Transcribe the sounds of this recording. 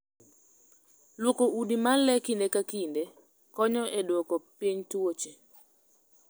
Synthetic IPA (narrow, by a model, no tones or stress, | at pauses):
lwokoudimanlɛkindekakinde | kɔɲɔʔedwokopiɲtwot͡ʃe